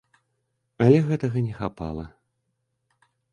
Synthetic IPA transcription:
ɐlʲɛɣɛt̪ɐɣɐnʲɛxapa̰lˠɐ

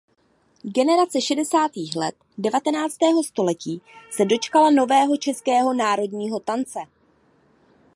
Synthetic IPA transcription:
ɡɛnɛɾat͡sɛʃɛdɛsaːt̪iːxlɛ̰t̪̚ | dɛvat̪ɛnaːt͡st̪ɛːɦo̞st̪o̞lɛciːsɛdo̞t͡ʃkalano̞vɛːɦo̞t͡ʃɛskɛːɦo̞naːɾo̞dɲiːɦo̞t̪ant͡sɛ

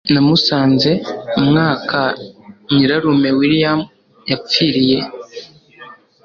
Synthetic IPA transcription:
namusaːnze̞umŋaːkaɲiɾaɾume̞wiɾijam | jap͡fiɾije̞

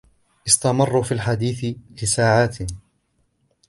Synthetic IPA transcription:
ʔɪst̪amɑrˤːufiːalħad̪iːθɪlɪsaːʕaːt̪

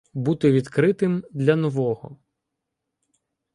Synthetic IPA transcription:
but̪ɪʋʲid̪kɾɪt̪ɪmd̪lʲɐnɔʋɔɦɔ̰

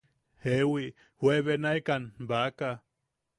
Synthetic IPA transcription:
hewi | hweβenajkanbaka

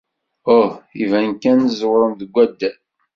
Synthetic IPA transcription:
ohivænkænzwɾˤəmðəɡʷːæd̪ːæ

